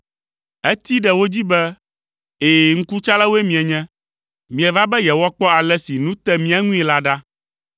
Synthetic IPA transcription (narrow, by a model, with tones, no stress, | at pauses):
ɛ˦t̪i˦ɖɛ˨wo˦d͡ʑi˦bɛ˦ | e˨ŋ̩˦ku˦t͡ʃa˦lɛ˦wo˦e˦mĩ˨ɛ˨ɲɛ̃˦ | mĩ˨ɛ˨va˦bɛ˦jɛ˨wɔ˦k͡pɔ˦a˨lɛ˦si˨nũ˦t̪ɛ˦mĩ˦a˦ŋũ˦i˨la˦ɖa˦